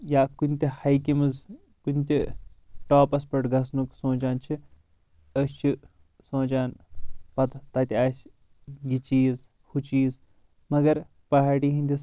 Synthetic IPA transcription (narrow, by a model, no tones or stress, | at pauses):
jaːkunʲt̪ʲihɐjkimɐz | kunʲt̪ʲiʈaːpɐspɐʈɡʱɐsnuksõːt͡ʃaːnt͡ʃʰi | əst͡ʃʰi | sõːt͡ʃaːnpɐt̪ʰt̪ɐt̪ʲiaːs | ɡit͡ʃiːz | hut͡ʃiːz | mɐɡɐɾ | pɐɦaːɽiɦinʲd̪ʲi